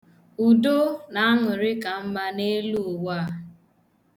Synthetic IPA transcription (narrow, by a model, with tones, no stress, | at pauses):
u˨do˦na˨a˦ŋʊ˨ɾɪ˦ka˨m̩˦ma˦ne˦lu˦o˨wa˦